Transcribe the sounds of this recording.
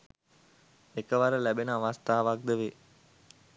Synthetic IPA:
ekəʋaɾəlæbenəaʋast̪aːʋak̚d̪əʋe

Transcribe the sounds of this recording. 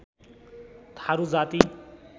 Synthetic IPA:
t̪ʰaɾud͡zat̪i

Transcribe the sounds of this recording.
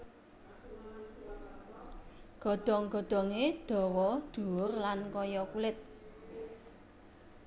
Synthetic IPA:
ɡ̥ɔ̤d̪̥ɔ̤ŋɡ̥ɔ̤d̪̥ɔ̤ŋed̪̥ɔ̤wɔd̪̥ṳʊrlankɔjɔkulɪt̪̚

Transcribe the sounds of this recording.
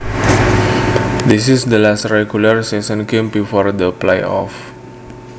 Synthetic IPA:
d̪is̬isd̪əlasrɛɡjularsɛsə̃nɡẽmbifɔrd̪əplajɔ̰f

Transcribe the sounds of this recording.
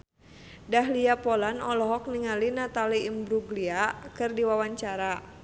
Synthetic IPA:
daɦliapɔlanɔlɔɦɔk̚niŋalinat̪aliːmbɾuɡliakɨrdiwawaɲt͡ʃaɾa

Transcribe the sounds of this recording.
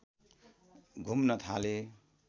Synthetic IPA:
ɡʱumnʌt̪ʰale

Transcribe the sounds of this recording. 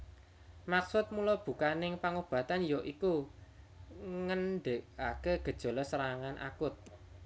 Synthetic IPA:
maksʊt̪̚mulɔb̥ṳkanɪŋpaŋob̥ä̤t̪anjɔʔiku | ŋənɖeʔakeɡ̥ə̤d̥ʒ̥ɔ̤lɔsəɾaŋanʔa̰kʊt̪̚

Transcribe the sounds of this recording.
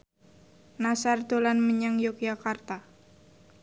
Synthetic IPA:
nasard̪olanməɲaŋjokjakart̪a

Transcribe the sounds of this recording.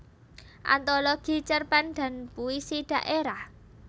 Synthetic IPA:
ʔa̰nt̪oloɡ̥i̤t͡ʃərpand̪a̤npuisiɖ̥ä̤ʔeɾah

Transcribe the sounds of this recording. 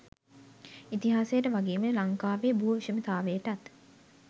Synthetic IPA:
it̪iɦaːsejəʈəʋaɡiːməlaŋkaːʋeːbuːʋiʃəmət̪aːʋejəʈat̪

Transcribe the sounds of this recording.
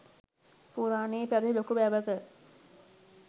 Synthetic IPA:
puɾaːneːpæɾilokuʋæʋəkə

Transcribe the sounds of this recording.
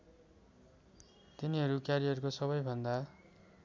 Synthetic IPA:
t̪iniɦʌɾukjaɾijʌrkosʌβʌjbʱʌnd̪a

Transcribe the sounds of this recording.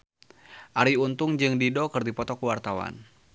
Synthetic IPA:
ʔaɾiunt̪ʊŋd͡ʒɨŋdidokərdipɔt̪ɔkəwart̪awa̰n

